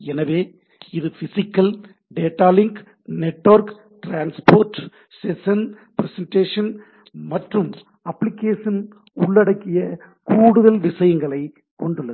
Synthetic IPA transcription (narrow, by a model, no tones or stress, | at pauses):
ɛnɐʋeː | ɪðɯfɪsɪkːɐl | ɖeːʈːaːlɪŋɡ | nɛʈːʋɐɾk | ʈɾaːnspoːɾʈ | sɛsɐn | pɪɾɛsɛnʈeːʂɐn | mɐʈrɯm | ɐpːlɪkːeːʂɐn | ʊɭːɐɽɐkːɪjɐ | kuːɽɯðɐlʋɪsɐjɐŋɡɐɭɐɪ | kɔɳɖɯɭːɐð